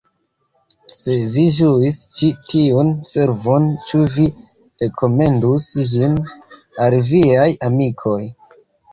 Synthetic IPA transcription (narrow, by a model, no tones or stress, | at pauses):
se̞vid͡ʒuist͡ʃitʰiunse̞ɾvo̞nt͡ʃuvi | ɾe̞kʰo̞me̞ndusd͡ʒin | alviajamikʰo̞j